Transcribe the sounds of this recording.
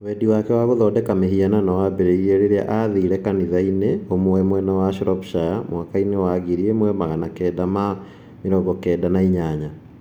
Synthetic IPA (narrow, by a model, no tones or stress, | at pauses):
wɛdiwakɛwaɣoðɔːdɛkameɦiananawabɛɾeiɾeɾeɾea̰ʔaðiɾɛkaniðaineomoɛmwɛnawaʃɾɔpʃajamwakainewaɣiɾiemwɛmaɣanakɛːdama | meɾɔːɡɔkɛːdanaiɲaɲa